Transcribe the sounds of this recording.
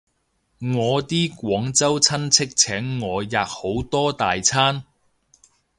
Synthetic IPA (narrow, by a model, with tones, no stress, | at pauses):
ŋɔː˨˧t̪iː˥kʷɔː˨˥ŋt͡sɐ˥wt͡sʰɐ˥nt͡sʰɪ˥k̚t͡sʰɛː˨˥ŋːɔː˨˧jaː˨k̚ho˨˥wt̪ɔː˥t̪aː˨jt͡sʰaː˥n